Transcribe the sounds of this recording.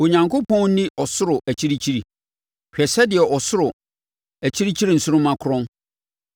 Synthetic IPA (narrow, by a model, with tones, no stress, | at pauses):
o˨ɲã˨ŋkʰʊ˦pʰɔ̃˦n˦nĩ˦ʔɔ˨sʊ˦ɾʊ˨ʔæ˨t͡ɕʰi˦ɾi˦t͡ɕʰi˦ɾi˨ | ɕᶣɛ˨sɛ˦dɪ˨ɛ˨ʔɔ˨sʊ˦ɾʊ˨ | æ˨t͡ɕʰi˦ɾi˦t͡ɕʰi˦ɾi˦˨n̩˨sʊ˦ɾʊ̃˦mã˦kʰʊ˦ɾɔ̃˦n